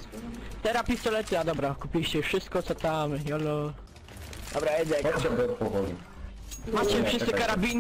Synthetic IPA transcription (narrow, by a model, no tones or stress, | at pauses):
t̪ɛɾapʲist̪ɔlɛt̪ɘad̪ɔbɾakupʲiɕt͡ɕɛfʂɘst̪̚kɔt̪sɔt̪amjɔlɔ | d̪ɔbɾaɛd̪ɛɛbɔɔpɔvɔli | mat͡ɕɛifʂɨsɛkaɾabʲin